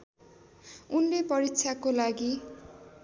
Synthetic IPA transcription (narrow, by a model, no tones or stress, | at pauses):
unlepʌɾiksʰakolaɡi